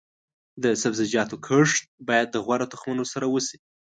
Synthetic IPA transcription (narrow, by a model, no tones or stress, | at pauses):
d̪əsabzɪd͡ʒɑt̪okʰəʂt̪̚bɑjad̪ːəɣwaɾat̪ʊxmanosaɾawəsi̥